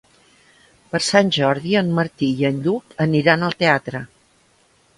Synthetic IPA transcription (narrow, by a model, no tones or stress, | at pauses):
pəɾsanʲʒɔɾðiəmməɾt̪ijənʎukəniɾanəlˠt̪eat̪ɾə